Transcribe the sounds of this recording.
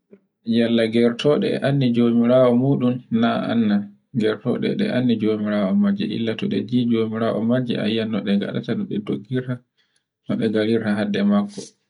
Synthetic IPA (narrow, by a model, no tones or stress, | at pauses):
jalːaɡɛɾtʰɔɗɛ̰ʔanːid͡ʒomiɾaːwɔmuːɗumːaa̰nːa | ɡɛɾtɔ̰ɗɛ̰ɗɛ̰ʔanːid͡ʒomiɾaɔmad͡ʒɛʔḭlːatɔɗɛ̰d͡ʒid͡ʒomiɾaʔɔ̰mad͡ʒɛ̰a̰jːanːɔɗɛɡa̰ɗa̰tanɔɗɛdoɡːiɾta | nɔɗɛɡaɾiɾtaɦadːɛmakːɔ